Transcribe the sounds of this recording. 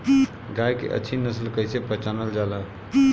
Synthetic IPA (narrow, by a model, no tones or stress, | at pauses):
ɡajkḛʔə̰ːt͡ʃʰinəslkəɦsẽpət͡ʃanəld͡ʒalə